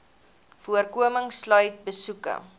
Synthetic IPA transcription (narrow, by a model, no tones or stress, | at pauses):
fuərkuəməŋslœɥt̚bəsukə̰